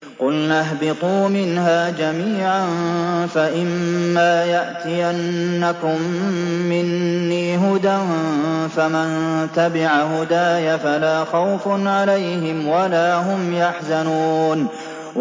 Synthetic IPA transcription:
qʊlnaɦbɪt̪ˤuːmɪnɦaːd͡ʒamiːʕanfaʔɪmːaːjaʔt̪ɪjanːakʊmːɪnːiːɦʊd̪anfamant̪abɪʕaɦʊd̪aːjafalaːxawfnʕalajhɪmwalaːɦʊmjaħzanuːn

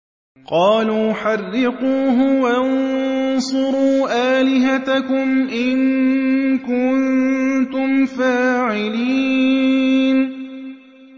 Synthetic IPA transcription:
qɑːluːħɑrːɪquːɦʊwannsˤʊɾuːʔaːlɪɦat̪akʊmʔɪŋ | kʊnt̪ʊmfaːʕɪliː | n

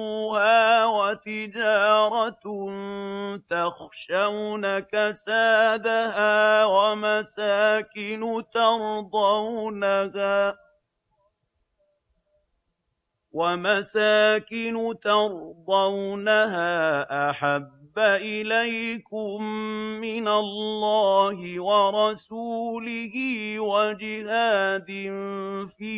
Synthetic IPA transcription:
haːwat̪ɪd͡ʒɑːɾˤɑt̪nt̪axʃawnakasaːd̪ahaːwamasaːkɪnʊt̪ɑɾd̪ˤɑwnahaː | wamasaːkɪnʊt̪ɑɾd̪ˤawnaɦaːʔaħabːaʔɪlajkʊmːɪnalːɑːhɪwɑɾˤɑsuːlɪhɪːwad͡ʒɪhaːd̪ɪnfiː

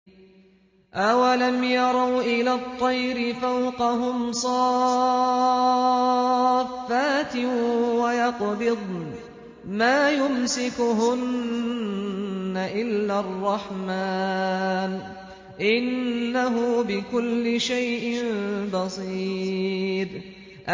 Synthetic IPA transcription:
ʔawalamjɑɾˤɑwʔɪlaːt̪ˤːɑjɾɪfawqɑɦʊmsˤɑː | fːaːt̪ɪwajɑqbɪd̪̚ˤ | maːjʊmsɪkʊɦʊn | aʔɪlːaːrˤːɑħmaːn | ʔɪnːaɦʊːbɪkʊlːɪʃajʔɪmbɑsˤiː | ɾ | ʔ

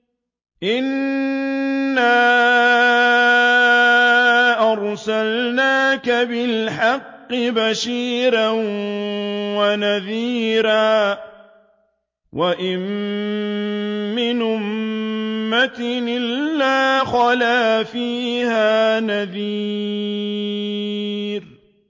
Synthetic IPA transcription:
ʔɪn | aː | ʔɑɾˤsalnaːkabɪlħɑqːɪbaʃiːɾan | wanaðiːɾaː | wʔaʔɪm | ɪnʔʊmː | at̪ɪɪlːaːxɑlaːfiːhaːnaðiː | ɾ

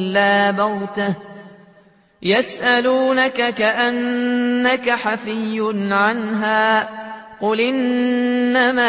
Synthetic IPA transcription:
aːbawt̪a | jasʔaluːnakakaʔanːakaħafɪjːʊnʕanɦaː | qʊlʔɪnː | ama

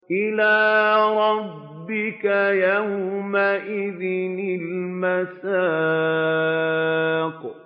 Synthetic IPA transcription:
ʔɪlaːɾˤɑbːɪkajawmaʔɪðɪnɪlmasaː | kʊ

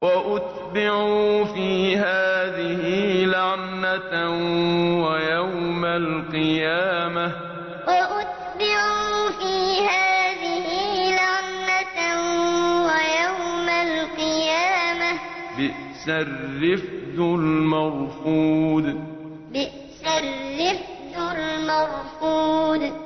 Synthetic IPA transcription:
waʔʊt̪ | bɪʕuːfiːɦaːðɪhɪlaʕna | wajawmalqɨjaːma | waʔʊt̪̚ | bɪʕuːfiːhaːðɪhɪlaʕnːa | wajawmalqɨjaːma | bɪʔ | sɪɾːɪfd̪ʊlmaɣfuːd̪ | bɪʔ | saɾːɪf | d̪ʊlmaɣfuːd̪

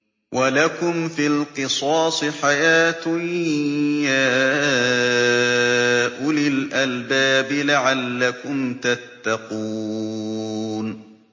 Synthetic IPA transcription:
wʔalakʊmfilqɨsˤɑːsˤɨħajaːt̪ʊ | jaː | ʔʊlɪlʔalbaːbɪlaʕalːakʊmt̪at̪ːɑquː | n

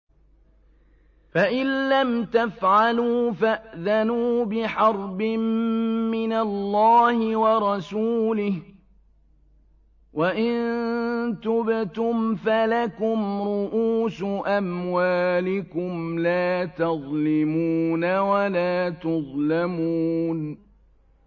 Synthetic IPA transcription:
faʔɪnːamt̪afʕaluːfaʔðanuːbɪħɑɾˤbɪmːɪnalːɑːhɪwɑɾˤɑsuːlɪh | waʔɪnt̪ʊbt̪ʊmfalakʊmɾʊʔuːsʊʔamwaːlɪkʊmlaːt̪ɑðˤlɪmuːnawalaːt̪ʊðˤlamuːn

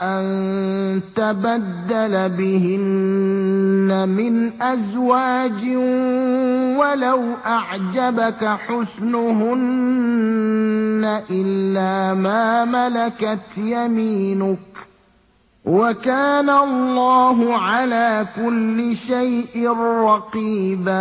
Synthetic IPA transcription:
ʔan | t̪abad̪ːalabɪhɪn | amɪnʔazwaːd͡ʒɪ | walawʔaʕd͡ʒabakaħʊsnʊɦʊn | aʔɪlːaːmaːmalakat̪jamiːnʊk | wakaːnalˤːɑːɦʊʕalaːkʊlːɪʃajʔɪrɑqiːba

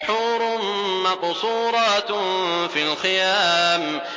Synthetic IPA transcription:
ħuːɾmmɑqsˤuːɾˤɑt̪filxɪjaːm

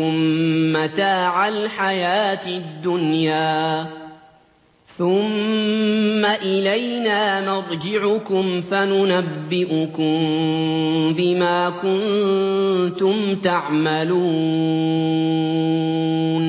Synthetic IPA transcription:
ʊmːat̪aːʕalħajaːt̪d̪ːʊnjaː | θʊmː | aʔɪlajnaːmɑɾˤd͡ʒɪʕʊkʊmfanʊnabːɪʔʊkʊm | bɪmaːkʊn | t̪ʊmt̪aʕmaluː | n

